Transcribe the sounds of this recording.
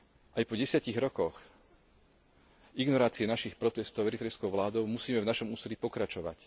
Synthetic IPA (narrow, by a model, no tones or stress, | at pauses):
ʔajpɔɟɛsɪaciɣɾɔkɔx | iɡnɔɾaːt͡siɛnaʃixpɾɔt̪ɛst̪ɔʊɛɾit̪ɾɛjskɔʊʋlaːd̪ɔʊmusiːmɛvnaʃɔmuːsɛlipɔkɾat͡ʃɔʋa̰c